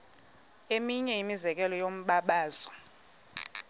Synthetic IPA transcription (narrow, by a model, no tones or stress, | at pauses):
emiɲɛimizɛk̬ɛlɔjom̩ɓaɓaːzɔ